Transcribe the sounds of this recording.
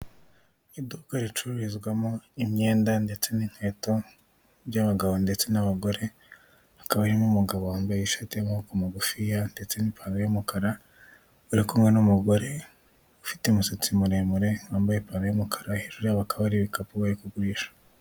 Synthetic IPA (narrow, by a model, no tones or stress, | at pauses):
iduːkaɾit͡ʃuɾuɾizɡwamoimɲe̞ːndande̞t͡se̞niŋ̥he̞ːto̞ | bjaβaɡaβo̞nde̞t͡se̞naβaɡo̞ɾe̞ | akaβaɾimumuɡaβwaːmbajiʃatijamahukumaɡufijande̞t͡se̞nipʰaːnejumukaɾa | uɾikomɡwenumuɡo̞ɾe̞ | ufi̥temusit͡simuɾemuɾe̞ŋwaːmbajepaːnɡejomukʰḁɾahiɾuɾiaβakʰaβaɾiβikapuβaɾikuɡuɾiʃḁ